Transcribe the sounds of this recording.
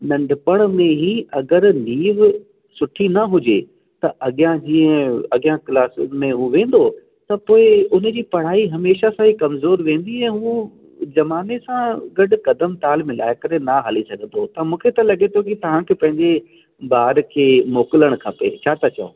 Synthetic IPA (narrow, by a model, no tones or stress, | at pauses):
nɐ̃ɳɖʱɪpəɽ̃mẽɦiɐɡəɾniːʋ | sʊʈʰinɐɦʊd͡ʑe | t̪ɐʔɐɠɪjãd͡ʑĩːə̃ɐɡijãkɪlaːsmẽɦuʋẽːn̆d̪o | t̪ɐpoːɪʊn̆d͡ʑiːpɐɽ̤aːiɦɐmeːʃasãɦikɐmzoːɾʋẽːn̆d̪iɛ̃ːɦũː | zɐmaːnesãɡɐɖʊ̆kɐd̪əmt̪aːlmɪ̃la̰ːɪkɐɾenɐɦɐlisɐɡʱə̃nd̪ot̪ɐmũːkʰet̪ɐlɐɠet̪ʰokit̪ɐʋ̤ãkʰepɐ̃ɦɪ̃ɲd͡ʑe | baːɾkʰeːmoːkɪləɽ̃kʰɐpḛt͡ɕʰaːt̪ʰɐt͡ɕɐ̰o̰ː